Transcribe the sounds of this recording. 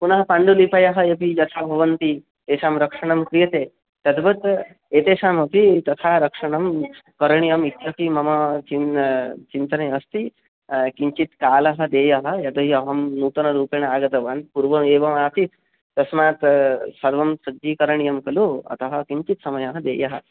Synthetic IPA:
punɐɦɐpaɳɖulipɐjɐɦɐjepijɐt̪ʰabʱɐʋɐnt̪i | eːsaːmɾɐkʂɐɳ̃ɐmkɾijɐt̪e | t̪ɐd̪bɐt̪ | eːt̪eːʃaːmɐpit̪ɐt̪ʰaɾɐkʂɐɳɐmkɐɾɐɳ̃ijɐmit̪jɐpimɐmɐt͡ʃint͡ʃint̪ɐnɐjɐst̪i | kiɲt͡ʃit̪kaːlɐɦɐd̪eːjɐɦɐ̆jɐt̪ɐɦiɐɦɐmnuːt̪ɐnɐɾuːpeɳ̃ɐaːɡɐt̪ɐʋɐnd̪̚puɾʋɐmeːʋɐmaːt̪it̪ | t̪ɐsmaːt̪sɐɾʋɐmsɐd͡ʒiːkɐɾɐɳijɐmkɐloɐ̰t̪ɐɦɐkiɲt͡ʃit̪sɐmɐjɐɦɐd̪ḛːjɐɦɐ̆

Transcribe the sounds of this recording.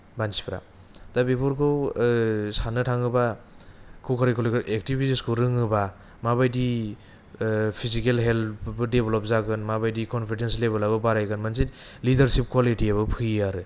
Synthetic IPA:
bansi̥pɾa̰ | d̥abipʰuɾkʰɯw | sanɯtʰaŋɯba | kʰukʰaɾikʰɔlkʔek̚tibisiskʰuɾɯŋɯba | mabajdi | pʰizikelɦelbɯdebelɔp̚zaɡɯnmabajdikɔnpʰidenslebalababaɾajkɯnmansitlidɐɾsip̚kʰwalitiabɯpʰɯaɾɯ

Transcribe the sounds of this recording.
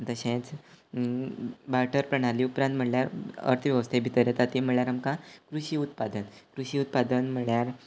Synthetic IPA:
t̪əɕẽt͡s | baʈʰəɾpɾəɽ̃aliːupɾãnt̪m̤əɳljaɾə̰ɾt̪ʰʋjəʋəst̪ʰebʱit̪əɾjat̪at̪im̤əɳɭjaɾamkãkɾuɕiːut̪̚pad̪ənkɾuɕiːut̪̚pad̪ənm̤əɭjaɾ

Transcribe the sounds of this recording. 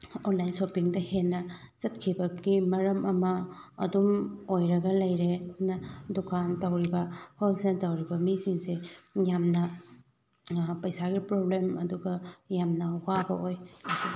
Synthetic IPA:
onlajnsopiŋdɐhenːɐ | zɐt̚kʰibɐɡimɐɾɐmʔɐmɐːdumojɾɐɡɐlɐjɾenɐdukʰantɐwɾibɐholsetɐwɾibɐmisiŋsejamnɐ | pɐjsaɡipɾoblemɐ̰duɡɐjamnɐwabɐʔojasi

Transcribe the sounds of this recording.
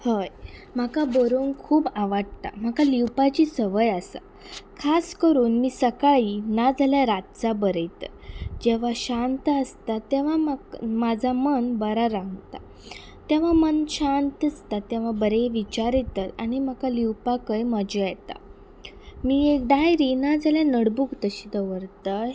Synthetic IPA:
həjm̤akabəɾonkʰuːbaʋaɽ̚t̪a̰m̤akaliwpat͡ɕiːsəʋəjəsa̰ | kʰaskəɾuːnmiːsəkaɭiːnad͡zʱaljaɾat̪̚t͡sabəɾəjt̪ə | d͡ʑeʋ̤aɕant̪əst̪at̪ẽʋ̤amamad͡zʱamənbəɾaɾãŋɡt̪a̰ | t̪ẽʋ̤amənɕant̪əst̪at̪ːɛ̃ʋ̤abəɾeʋit͡ɕaɾit̪ət̪aɽ̃im̤akaliwpakəjməd͡ʑiajt̪a̰ | miːekd̪ajɾiːnad͡zʱaljanəɽbuɡt̪əɕid̪əʋəɾt̪ə

